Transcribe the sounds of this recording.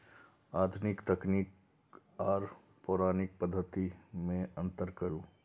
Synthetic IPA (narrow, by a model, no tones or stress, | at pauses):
aːd̪ʱʊnɪkt̪ɐkniːk | ɔːɾ | pʊɾaːnɪk̚pəd̪ʱːət̪imẽə̃nt̪əɾkəɾũː